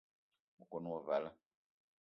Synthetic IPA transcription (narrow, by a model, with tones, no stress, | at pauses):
u˨kɔ˨nũ˦wɔ˨va˨˦la˦